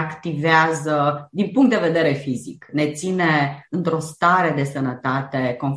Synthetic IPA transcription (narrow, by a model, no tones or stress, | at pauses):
akt̪iveazəd̪inpuŋkt̪d̪e̞ve̞d̪e̞ɾe̞fizḭkne̞t̪sine̞ɨnt̪ɾo̞st̪aɾe̞d̪e̞sənət̪at̪e̞ko̞n